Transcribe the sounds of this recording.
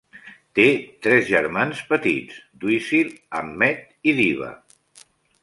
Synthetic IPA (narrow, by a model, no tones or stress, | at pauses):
t̪et̪ɾɛzʒəɾmanspət̪it͡sd̪wisiləmːɛt̪̚ | iðiβ̞ə̰